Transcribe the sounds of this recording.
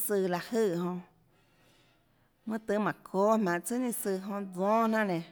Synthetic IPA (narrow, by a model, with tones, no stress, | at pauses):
sɨ˧la˨ʔhɨ˧˨ɦõ˧ | mɨ̃˦t̪ɨ˧˦mã˨kʰoː˦mã˧˨ʔt͡sɨ˦nĩ˦sɨ˧˨ɦõ˧d͡zɔ̃ː˦n̥ã˦ʔnẽ˨